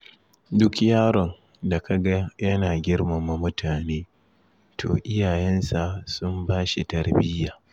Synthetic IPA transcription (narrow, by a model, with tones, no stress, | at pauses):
dʊ˦kjaː˦ɾɔ˨n | da˨kʰa˨ɡa˦jɐ˦naː˨ɡʲɪ˦ɽma˨ma˨mʊ˦tʰaː˨neː˦ | tʰo̰ː˨ʔɪ˦jaː˨jɛ˦nsa˨sʊ˦mbaː˦ʃi˨tɐ˨ɽbɪ˦jaː˨